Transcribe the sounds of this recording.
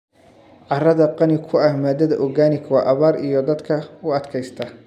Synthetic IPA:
ʕɑrɐðɐqɑnɪkʰʊɐhmaːd̪ɐðɐʔɔɡaːnɪkʰɐwɑːʔɐβaːrḭjɔd̪ɐd̪kʰɐʊɐd̪kʰɛjst̪ʰɐ

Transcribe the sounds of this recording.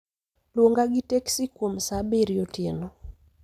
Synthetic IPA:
lwoŋɡaɡɪteksikwomsabeɾjotenɔ

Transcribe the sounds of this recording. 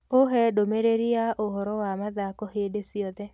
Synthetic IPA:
oɦɛdomeɾeɾiaʔoɦɔɾɔwamad̪akɔhedesiɔd̪ɛ

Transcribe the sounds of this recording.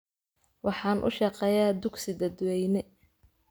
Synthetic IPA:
wʔɑħɑːnʔʊ̰ʃɑqɛːjaːd̪ʊɡsɪd̪ɐd̪wɛjnɛ

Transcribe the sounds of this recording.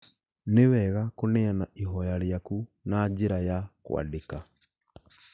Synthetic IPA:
newɛɣakoneanaʔiɦɔjaɾjakunad͡ʒeɾajakw̰a̰deka

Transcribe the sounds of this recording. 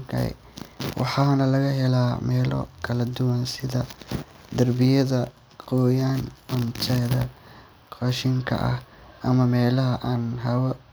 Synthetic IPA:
kʰɐ̰ | wʔɑ̰ħɑːnɐlɐɣɐɦɛlaːmɛːlɔ̰kʰɐlɐd̪ʊwɐnsɪðɐ | d̪ɐrbɪjɐðɐ | qɔːjaːnʊnt͡ʃ̪ʰɛðɐ | qɑʃɪŋkʰɐ̰ʔɐ̰hʔɐmɐmɛːlɐɦɐʔaːnɦɐwɐ

